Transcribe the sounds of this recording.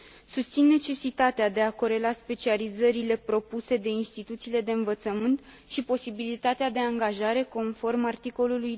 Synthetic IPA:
sust̪sinːe̞t͡ʃe̞sit̪at̪ead̪e̞ako̞ɾe̞laspe̞t͡ʃializəɾile̞pɾo̞puse̞d̪e̞inst̪it̪ut̪siːle̞d̪e̞ɨnvət̪səmɨnt̪ | ʃipo̞sibilit̪at̪ead̪e̞aŋɡaʒaɾe̞ko̞nfo̞rmart̪iko̞luluj

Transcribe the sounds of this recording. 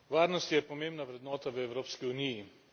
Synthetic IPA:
ʋaːɾnɔst̪jɛpɔmẽmbnaʋɾɛd̪nɔːt̪aʋəɛwɾoːpskiuniji

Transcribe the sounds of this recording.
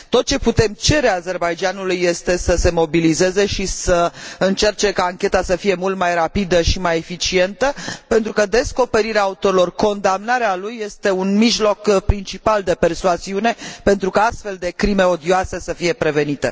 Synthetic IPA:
t̪o̞t̪̚t͡ʃe̞put̪e̞mt͡ʃe̞ɾeaze̞rbajd͡ʒanulujːe̞st̪e̞səse̞mo̞bilize̞ze̞ʃisəɨnt͡ʃe̞rt͡ʃe̞kaːŋkʲe̞t̪asəfije̞mult̪majrapid̪əʃimaje̞fit͡ʃie̞nt̪əpe̞nt̪ɾukəd̪e̞sko̞pe̞ɾiɾeaaut̪o̞ɾilo̞rko̞nd̪amnaɾealujːe̞st̪e̞unmiʒlo̞kpɾint͡ʃipald̪e̞pe̞rsuaziune̞pe̞nt̪ɾukaast̪fe̞ld̪e̞kɾime̞o̞d̪ioase̞səfije̞pɾe̞venit̪ḛ

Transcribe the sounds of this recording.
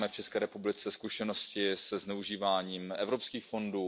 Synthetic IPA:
mɛft͡ʃɛskɛːɾɛpublɪt͡sɛskuʃɛno̞scɪsɛznɛuʒiːvaːɲiːmɛvɾo̞pskiːxfo̞nduː

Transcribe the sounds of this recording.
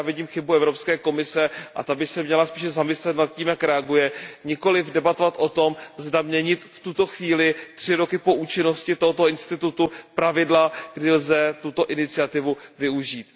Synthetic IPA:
avjɛdɲiːmxɪbuɛvɾo̞pskɛːko̞mɪsɛʔa̰t̪abɪsɛmɲɛlaspiːʃɛzamɪslɛt̪nat̪̚ciːmjakɾɛaɡujɛɲɪko̞lɪvdɛbat̪ovat̪ʔo̞t̪o̞mzdamɲɛɲɪt̪ft̪ut̪o̞xviːlɪt̪r̥ɪɾo̞kɪpo̞ʔuːt͡ʃɪnoscɪt̪oɦot̪oɪnst̪ɪt̪ut̪upɾavɪdlaɡ̥dɪlzɛt̪ut̪o̞ʔɪnɪt͡sɪat̪ɪvuvɪuʒiːt̪

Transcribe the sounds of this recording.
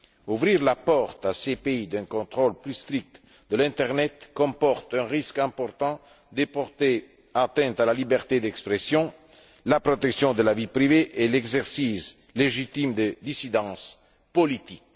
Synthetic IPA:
uvɾiʁlapɔʁt̪asepeid̪ɛ̃ŋkõnt̪ʁolplyst̪ɾik̚t̪ | d̪əlɛ̃nt̪ɛʁnɛt̪kɔ̃mpɔʁt̪ɛ̃ʁiskɛ̃mpɔɾt̪ɑ̃ | d̪epɔʁt̪e | at̪ɛ̃nt̪alalibɛʁt̪ed̪ɛkspɾesjɔ̃ | lapɾot̪ɛksjɔ̃d̪əlavipɾiveʔeleɡzɛʁsis | leʒit̪imd̪əd̪isid̪ɑ̃s | polit̪ik

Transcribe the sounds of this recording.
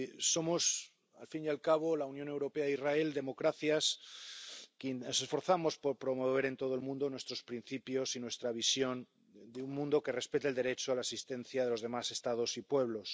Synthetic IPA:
so̞mo̞s | a̰lfinjalkaβ̞o̞launjone̞wɾo̞peaðizrae̞ld̪e̞mo̞kɾaθjas | kenose̞sfo̞ɾθamo̞spo̞ɾpɾo̞mo̞β̞e̞ɾe̞nt̪o̞ð̞oelmũnd̪onwe̞st̪ɾo̞spɾin̟θipjo̞sinwe̞st̪ɾaβ̞isjo̞n | d̪euŋmũnd̪o̞ke̞re̞spe̞t̪eld̪e̞ɾe̞t͡ʃoalasist̪ẽ̞n̟θjaðe̞lozðe̞mase̞st̪að̞o̞sipwe̞β̞lo̞s

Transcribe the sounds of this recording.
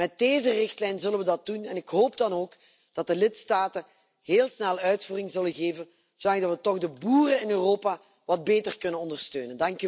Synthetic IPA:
mɛt̚deːzərɪxtlɛjnzɵlənʋədɑt̚dunɛnɪkɦoːp̚dɑnoːk | d̥ɑt̚dəlɪtstaːtə | heːlˠsnɛlˠœɥtfuːrɪŋzɵləɣeːvən | z̥olɑŋdɑtʋətɔɣdəbuːrənɪnøːroːpaː | ʋɑd̚beːtərkɵnənɔndərstøːnəndɑŋk

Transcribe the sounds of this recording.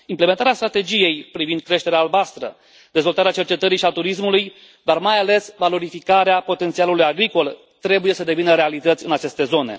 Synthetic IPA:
imple̞ment̪aɾast̪ɾat̪e̞d͡ʒije̞jpɾivind̪̚kɾe̞ʃt̪e̞ɾeaːlbast̪ɾə | d̪̥e̞zvo̞lt̪aɾeat͡ʃe̞rt͡ʃe̞t̪əɾiʃiat̪uɾis̬muluj | d̪armajale̞svalo̞ɾifikaɾeapo̞t̪e̞nt̪sialulujaɡɾiko̞l | t̪ɾe̞buje̞səd̪e̞vinəɾe̞alit̪ət̪sʲɨnat͡ʃe̞st̪e̞zo̞ne̞̰

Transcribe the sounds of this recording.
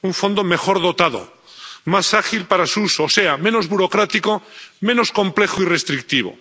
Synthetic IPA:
uɱfo̞nd̪omexo̞ɾð̞o̞t̪að̞o̰ | masaxilpaɾasusoːse̞amẽ̞nozβuɾokɾat̪ikomẽnoskõ̞mple̞xoirest̪ɾik̚t̪iβ̞o̰

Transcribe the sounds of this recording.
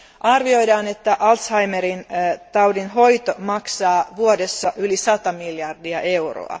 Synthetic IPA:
ʔɑrʋio̞jdɑːne̞t̪ːæʔɑlt̪shɑjmeɾint̪ɑwdinɦo̞jt̪omɑksɑːʋuodesːɑʔylisɑt̪ɑmiljɑrdiɑʔe̞wro̰ɑ̰

